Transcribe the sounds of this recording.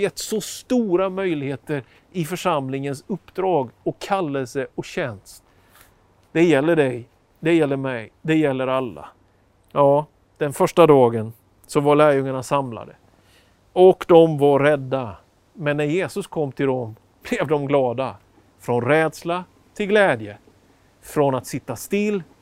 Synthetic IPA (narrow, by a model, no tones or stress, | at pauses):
jɛt̪ːsɔst̪uːɾamœjlɪɡheːt̪əɾ | ɪfœʂamlɪŋənsɵpːd̪ɾɑːɡɔkʰːalːɛlsəɔɕɛnst̪ | d̪̥ɛjɛlːəɖɛj | d̪ɛjɛlːəɾmɛjd̪ɛjɛlːəɾalːa̰ | jɑː | d̪̥ɛnfœʂʈad̪ɑːɡən | sɔvaɭæːɾjɵŋːaɳasamla̰d̪ə̰ | ɔkd̪ɔmvaɾɛd̪ːa | mɛnːæɾjeːsɵskʰɔmːt̪ʰɪld̪ɔm | b̥lɛvd̪ɔmɡlɑːd̪a | fɾɔnɾɛːd̪sla | t̪ʰɪlɡlɛːd̪jə | fɾɔnat̪sɪt̪ːast̪ɪlː